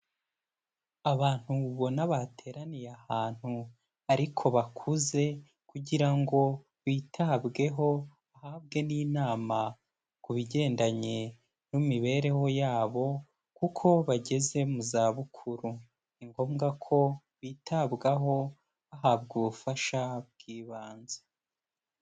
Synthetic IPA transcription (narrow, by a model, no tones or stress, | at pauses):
aβaːn̥huβo̞naβatʰe̞ːɾanijahaːn̥hu | aɾikʰo̞βakʰuze̞ | kuɟiɾaŋɡo̞ | βiːtʰabɡe̞ɦo̞ | ahaːbɡe̞niːnaːma | kuβiɟe̞ːndaɲe̞ | numiβe̞ɾe̞ho̞jaːβo̞ | kukʰo̞βaɟe̞ze̞muzaːβukʰuɾu | iŋɡo̞ːmɡakʰo̞ | wiːtʰabɡaɦo̞ | aɦab̚ɡuβufaʃab̚ɡ̥iːβaːnze̥